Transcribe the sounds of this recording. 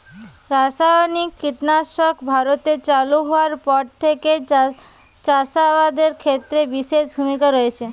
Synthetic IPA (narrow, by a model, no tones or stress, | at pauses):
ɾasabanikːiʈnaʃɔkbʱaɾot̪et͡ɕaluɦɔaɾpɔɾt̪ʰeke | t͡ʃasabad̪eɾkʰet̪ːɾebiʃeʃbʱumikaɾɔet͡ɕʰe